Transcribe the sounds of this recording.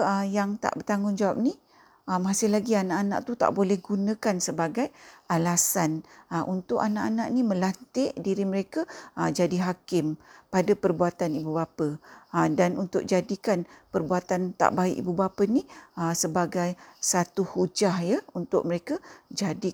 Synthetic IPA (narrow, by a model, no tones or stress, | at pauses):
əjaŋt̪a̰ʔbərt̪aŋʊŋd͡ʒawap̚ni | əmasɪhlaɡianaʔana̰ʔt̪ut̪a̰ʔbolɛhɡunə̃kansəbaɡajalasanəʔunt̪ʊʔanaʔanaʔnimə̃lant̪ɪʔdiɾiməɾekəəd͡ʒadiɦakɪmpadapərbuat̪anibubapədanunt̪ʊʔ̚d͡ʒadikanpərbuat̪ant̪a̰ʔbaɪ̰ʔibubapəniəsəbaɡajsat̪uhud͡ʒahjəunt̪ʊ̰ʔ̚məɾekəd͡ʒadi